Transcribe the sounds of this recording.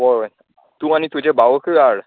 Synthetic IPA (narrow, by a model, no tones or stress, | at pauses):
ɔ | t̪ũanit̪ũd͡ʑebawəkʰɯaɾ